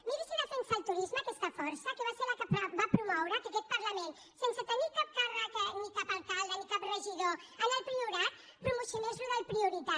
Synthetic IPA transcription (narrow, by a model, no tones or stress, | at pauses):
miɾisiðafensalt̪uɾizmakɛst̪afɔɾsakeβaselakapɾabapɾumɔwɾakakɛt̪̚paɾlamen | senset̪enikap̚karakenikapalkalˠd̪anikapreʒiðo | analpɾiuɾat̪ | pɾumusjunezluðalpɾiuɾit̪a